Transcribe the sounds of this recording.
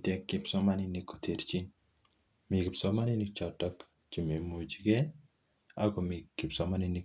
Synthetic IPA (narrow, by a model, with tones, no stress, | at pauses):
tɛ˨kːɪpsɔ˦ma˦nɪni˨ko˨tʰe˨ɾt͡ʃi˦n | mɪ˨kɪ˨psɔ˦ma˦ni˦nɪ˦kt͡ʃɔ˨tɔ˦k | t͡ʃi˨me˨mo˨d͡ʒi˨kɛ˦ | a˦kɔ˨mɪ˨kːɪ˨psɔma˦nɪ˦nɪ˦